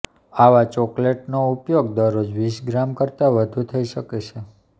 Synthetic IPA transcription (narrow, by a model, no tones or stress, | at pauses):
aʋat͡ʃɔkleʈnoupjoɡd̪əɾod͡ʒʋiʃɡɾamkəɾt̪aʋəd̪ʱũt̪ʰəiʃəket͡ʃʰe